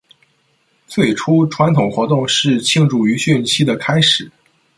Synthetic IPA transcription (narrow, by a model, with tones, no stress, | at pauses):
t͡swe˥˩ɪʈ͡ʂʰu˥ʈ͡ʂʰwa˧˥nt̪ʰʊ˨˩ŋxwɔ˧˥t̪ʊ˥˧ŋʂɻ̩˥˧t͡ɕʰi˥˧ŋʈ͡ʂu˥˩y˧˥ɕy˥˩nt͡ɕʰi˥d̪ə˨kʰa˥ɪʂɻ̩˨˩˦